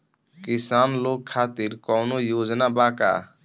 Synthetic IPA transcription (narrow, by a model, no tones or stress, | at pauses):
kɪsaːnloːɡ̚kʰaːt̪iɾkɔnojoːd͡ʒnabaːka̰ː